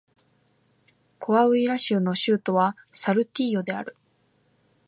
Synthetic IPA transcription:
kʰo̞βaɯ̟iɾaɕɯno̞ɕɨːt̪o̞βa | saɾɯ̟t̪ʲːiːjo̞d̪e̞a̰ɾɯ̟

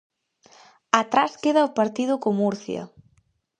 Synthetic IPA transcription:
at̪ɾaskeðɐopaɾt̪iðʊkomuɾθjɐ̰

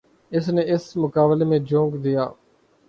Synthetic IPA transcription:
ɪsneːɪsmʊkaːbleːmẽːd͡ʒõːŋɡd̪ɪja̰ː

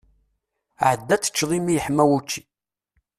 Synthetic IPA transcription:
ʕəd̪ːæt͡sːə̥t͡ʃːðˤimijəħmːæwut͡ʃːi̥

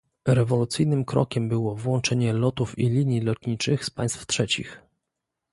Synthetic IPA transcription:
ɾɛvɔlut̪sɘjnɘmkɾɔ̰kʲɛmbɘwɔvwɔnt͡ʂɛɲɛlɔt̪ufilʲiɲjilɔt̪ɲit͡ʂɘxspaj̃st̪ftʂɛt͡ɕḭx

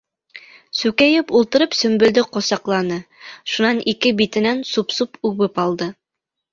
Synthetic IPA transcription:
sʉkæjɘpulˠt̪ɤ̆ɾɤpsɵ̆mbɵ̆ld̪ɘqŏsɑqlˠɑnɤʃunɑnʔikɘbit̪ɘ̆nænsupsupʉβɘpɑlˠd̪ɤ

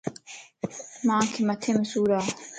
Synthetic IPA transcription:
mãːkʰimɐt̪ʰemesuːɾaː

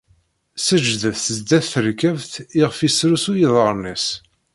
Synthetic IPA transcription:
səd͡ʒðəθθəzd̪æθːəɾkævθiʁfisɾusujiðˤəɾˤnis

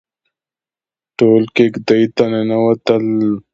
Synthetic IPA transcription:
ʈoːlkekd̪ɐit̪ɐnenɐwɐt̪ɐl

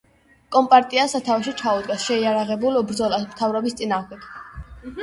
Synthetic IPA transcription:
kʼɔmpʼaɾt̪ʼiasat̪ʰawɛʃit͡ʃʰaud̪ɡasʃɛiaɾaʁɛbulˠbɾd̪zɔlasmt̪ʰavɾɔbist̪sʼinaːʁɛɡ̥

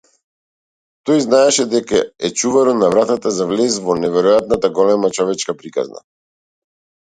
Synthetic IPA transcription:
t̪ɔjznaɛʃɛd̪ɛkaɛt͡ʃuvaɾɔnavɾat̪at̪azavlɛzvɔnɛvɛɾɔjat̪nat̪aɡɔlɛmat͡ʃɔvɛt͡ʃkapɾika̰zna̰

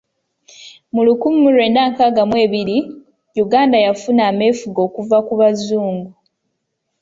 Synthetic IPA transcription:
mulukumːulwe̞ːndaːŋkaɡamwe̞ːβiɾi | juɡaːndajafunaːme̞ːfuɡo̞ːkuvakuβazuːŋɡu

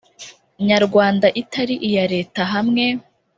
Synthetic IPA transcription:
ɲaɾɡwaːndaʔitaɾiʔijaɾe̞ːtaɦamŋe̞

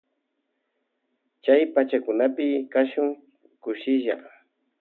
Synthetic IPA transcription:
t͡ʃajpat͡ʃakʊnapɪkaʃʊŋ | kʊʃɪʒa̰

